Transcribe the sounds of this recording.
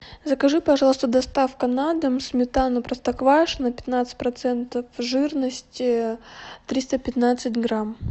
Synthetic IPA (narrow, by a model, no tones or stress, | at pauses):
zəkɐʐɨpɐʐɑlˠəst̪əd̪ɐst̪afkɐnad̪ɨmsmʲɪt̪anʊpɾəst̪ɐkvaʂnəpʲɪ̥t̪nat̪sɨ̥t̚ʲpɾɐt̪sɛnt̪əfʐɨrnəsʲtʲɪ | t̪ɾʲist̪əpʲɪt̪nat̪sɨtʲɡɾam